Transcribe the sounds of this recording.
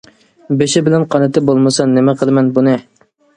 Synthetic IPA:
beʃɪbɪlɛnqʰɑnɨt̪ɪbolˠmɨsɑnːɪmɛqʰəlˠɨmɛnbunɨ

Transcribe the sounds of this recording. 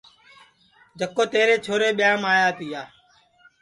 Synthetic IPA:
d͡ʒʱəkːoːt̪eːɾeːt͡ʃʰoːɾeːɓɪjãːmaːjaːt̪iːaː

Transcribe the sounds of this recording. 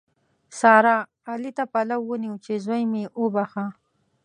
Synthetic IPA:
sɑɾaː | lit̪apalawːəniwt͡ʃezwajmeʔʊbaxa

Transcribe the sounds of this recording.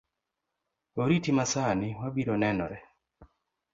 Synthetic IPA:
oɾitimasanɪwabiɾɔnɛnɔ̰ɾɛ

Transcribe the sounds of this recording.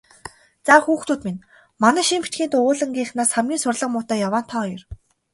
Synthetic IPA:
t͡saxuːxt̪uːt̪min | manæːʃiːmpi̥t͡ɕ̪ɡʲiːnt̪ʊʊːɮə̆ŋɡʲiːχnaːsχamɡʲiːnsʊrɮə̆qmʊːt̪æːjawaːn̥t̪ʰɔːjɞ̆r

